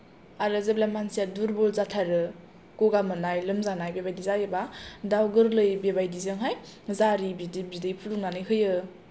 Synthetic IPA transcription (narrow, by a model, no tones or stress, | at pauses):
aɾɯzeblamansijaduɾbɔlzatʰaɾɯ | koɡamɯnajlɯmzanajbebajdizajebadawɡɯɾlɯjbebajdizɯŋɦaj | zaɾibidibidɯjpʰuluŋnanɯjkʰɯjɯ